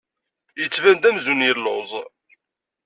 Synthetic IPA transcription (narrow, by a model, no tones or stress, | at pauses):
jət͡sːvænd̪æmzunjəlːozˤ